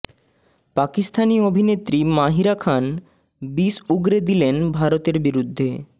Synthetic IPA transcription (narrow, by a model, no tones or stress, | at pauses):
pakist̪ʰaniobʱinet̪ːɾimaɦiɾakʰan | bisuɡɾed̪ilenbʱaɾot̪eɾbiɾud̪ʱːe